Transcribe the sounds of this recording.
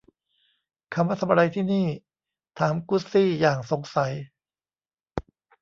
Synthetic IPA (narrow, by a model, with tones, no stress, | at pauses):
kʰa˧mːɾa˦˥t̪ʰa˧mʔa˧ɾa˧jt̪ʰiː˥˩niː˥˩ | t̪ʰaː˩˦mku˦˥siː˥˩jaː˨˩ŋso˨˩˦ŋsa˩˦j